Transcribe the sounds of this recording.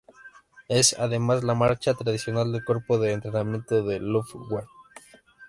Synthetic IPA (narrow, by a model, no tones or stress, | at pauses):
e̞sa̰ðe̞mazlamaɾt͡ʃat̪ɾaðisjo̞nald̪eko̞ɾpoðe̞ːnt̪ɾenamje̞nt̪o̞ðelofɡwa